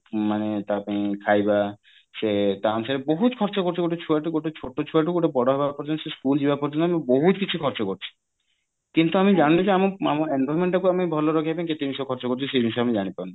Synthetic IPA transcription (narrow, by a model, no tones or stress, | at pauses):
manet̪apãikʰajba | set̪ant͡ʃʰaɾeboɦut̪kʰɔɾt͡ʃokoɾt͡ɕʰiɡoʈot͡ʃʰuaʈuɡoʈot͡ʃʰoʈːot͡ʃʰuaʈ̬uɡoʈobɔɽoɦɛbapɔɾd͡ʒont̪seskuld͡ʑibapɔɾd͡ʑonamiboɦut̪kit͡ɕʰukʰɔɾt͡ʃokoɾt͡ɕʰi̥ | kint̪uamid͡ʒannad͡ʒeamaamaɾenbʱɔjmeɳʈakuapĩbʱɔloɾɔkʰeɛbenket̪imiʃɔkʰɔɾt͡ɕokoɾt͡ɕʰiʃemiʃɔamid͡ʒaɽ̃it̪ana